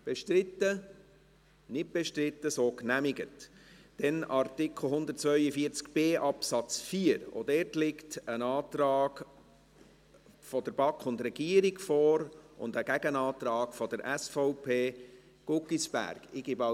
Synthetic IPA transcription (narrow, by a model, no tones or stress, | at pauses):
b̥ɛʃtɾɪt̪ːə | nɪt̚b̥ɛʃtɾɪtːəsoːknæmɪɡətd̥ɛnɑrtɪkχl̩ˠɦʊnd̪ərtt͡svœʏəfiəɾt͡skb̥eːʔɑpsɑt͡sfiəɾo̰dɛɾtlɪktənɑːt̪ɾɑːɡ | fɔd̥̪əɾb̥ɑkχʊndɾɛɡ̥iəɾikfɔɾʊ̰nd̪əɡ̥æɡənɑːtɾɑːkfɔd̥̪əɾʔæsfɔʊpʰeː | ɡ̥ʊkisb̥æ̰rɡ̥ɪɡ̥ɪbɑ